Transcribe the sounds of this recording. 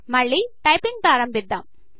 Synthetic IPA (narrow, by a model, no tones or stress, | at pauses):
mɐɭːiʈɐɪpɪŋɡ̚paːɾɐmbɪd̪ːɐm